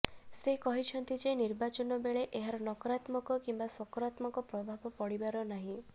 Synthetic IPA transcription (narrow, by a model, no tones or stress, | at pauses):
sekɔɦit͡ʃʰɔnt̪id͡ʒeniɾbat͡ʃɔnɔbeɭeʔeɦaɾɔnɔkɔɾat̪mɔkɔkimbasɔkɔɾat̪mɔkɔpɾɔbʱabɔpɔɽibaɾɔnaɦĩ